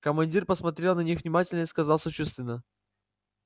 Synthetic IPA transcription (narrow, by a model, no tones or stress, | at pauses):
kəmɐnʲdʲirpəsmɐt̪ɾʲelˠnɐnʲixvnʲɪmatʲɪlʲnəiskɐzalˠsət͡ɕust̪vʲɪnːə